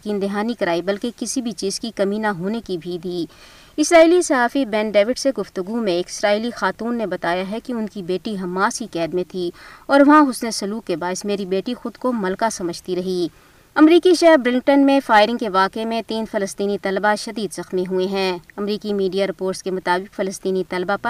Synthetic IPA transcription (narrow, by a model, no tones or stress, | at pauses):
kiːnd̪ɪɦaːnikɐɾaːibɐlkekɪsibʱit͡ʃiːzkikɐminaɦoːnekibʱid̪iː | ɪsɾaːiːlisɐɦaːfibɛ̃ːnɖeːʋɪɖseɡʊft̪ʊɡumẽːkɪ̥sɾaːiːlixaːt̪uːnːebɐt̪aːjaɦɛkiʊnkibeːʈiɦɐmːãːsikɛːd̪mẽt̪ʰiɔːɾʋɐɦãʊsnesɐluːkːebaːɪsmeːɾibeːʈixʊd̪komɐlkasɐməd͡ʒt̪iɾɐɦiː | ɐmɾiːkiʃɛɦɾbɾɪlŋ̚ʈənmẽfaːɪɾɪ̃ŋɡkeʋaːkemẽt̪iːnfɐləst̪iːnit̪ɐlbaʃɐd̪iːd̪zɐxmiɦueɦɛ̃ːɐmɾiːkimiːɖijaɾɪpoːɾʈskemʊt̪aːbɪqfɐləst̪iːnit̪ɐlbapɐɾ